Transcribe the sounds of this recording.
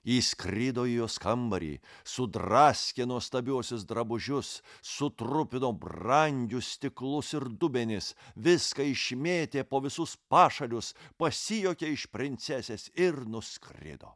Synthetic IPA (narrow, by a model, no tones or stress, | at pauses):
iːskɾʲɪd̪oːɪjoːskɐmbɐɾʲḭːsʊd̪rɑːsʲkʲeːnuɔst̪ɐbʲuɔsʲʊs̬d̪ɾɐbʊʒʲʊsːʊt̪ɾʊpʲɪnoːbrɐŋʲɡʲʊsʲt̪ʲɪklˠʊsɪɾd̪ʊbʲenʲɪsʋʲɪskɐɪʃʲmʲeːt̪ʲeːpoːʋʲɪsʊspɑːʃɐlʲʊspɐsʲɪjoːkʲeːɪʃpʲɾʲɪnʲt̪sʲɛsʲɛːsɪɾnʊskrʲɪ̰d̪o̰ː